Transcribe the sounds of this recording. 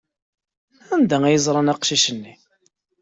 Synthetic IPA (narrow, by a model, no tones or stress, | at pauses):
ænd̪æŋæjəzˤɾˤɑnɑqʃiʃənːi